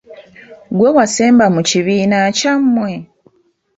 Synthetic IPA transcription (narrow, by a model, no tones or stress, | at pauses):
ɡwewaseːmbamuciβiːnacamːwe